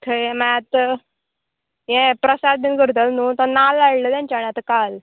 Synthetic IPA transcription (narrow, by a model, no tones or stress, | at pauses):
t̪ʰəjẽmãt̪ | jẽpɾəsad̪ʱənkəɾt̪̬əlnut̪ɔnalaɽləːt̪jãɲt͡ɕaːɳiat̪əkal